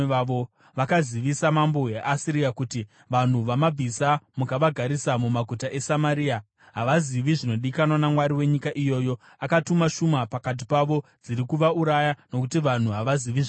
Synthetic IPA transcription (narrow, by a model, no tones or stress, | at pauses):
aʋo̞ | ʋakaziʋisamambo̞ɦeʔasiɾijakuti | ʋan̤uʋamab͡vʱisamukaʋaɡʱaɾisamumaɡʱutaʔe̞samaɾiːa | ɦaʋaziʋiʐino̞ɗikanwanamwaɾiwe̞ɲikaʔijo̞ːjo̞ | akatumaʃumapakat̬ipaʋo̞d͡ziɾikuʋauɾajano̞kutiʋan̤uɦaʋaziʋiʐ